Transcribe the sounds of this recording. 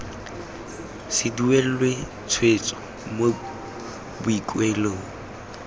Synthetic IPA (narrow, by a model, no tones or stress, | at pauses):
sɪduel̩lwe | t͡sʰwet͡sʼɔ̥ | mo | bʊikʼweloːŋ̩